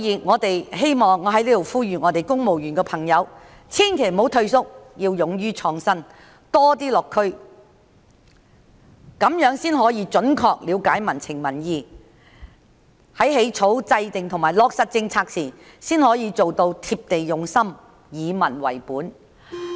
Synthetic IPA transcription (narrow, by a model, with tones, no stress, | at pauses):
jiː˨˧ŋɔː˨˧t̪e˨jɦe˥jmɔː˨˩ŋːɔː˨˧ɦɐ˨˥jliː˥t̪o˨˩wfuː˥jyː˨ŋɔː˨˧t̪e˨jkʊ˥ŋmo˨wjyː˨˩nkɛː˧pʰɐ˨˩ŋjɐ˨˧w | t͡sʰiː˥nkʰe˨˩jmo˨˥wt̪ʰɵ˧ɥsʊ˥k̚jiː˧wjʊ˨ŋjyː˥t͡sʰɔː˧ŋsɐ˥n | t̪ɔː˥t̪iː˥lɔː˨kʰːɵ˥ɥ | kɐ˨˧˥mjœː˨˥ŋsiː˥nɦɔː˨˥jiː˨˧t͡ʃɵ˨˥nkʰɔː˧k̚liː˨˧wkaː˨˥jmɐ˨˩nt͡sʰɪ˨˩ŋmɐ˨˩njiː˧ | hɐ˨˥jɦe˨˥jt͡sʰo˨˥wt͡sɐ˧jt̪ɪ˨ŋt̪ʰŋmaː˨˩jlɔː˧k̚sɐ˨˧t̚t͡sɪ˧ŋt͡sʰaː˧k̚sʰiː˨˩ | siː˥nhɔː˨˥jiː˨˧t͡so˨wt̪o˧wt̪ʰiː˧p̚t̪e˨jjʊ˨ŋsɐ˥m | jiː˨˧mɐ˨˩nwɐ̰˨˩jpuː˨˥n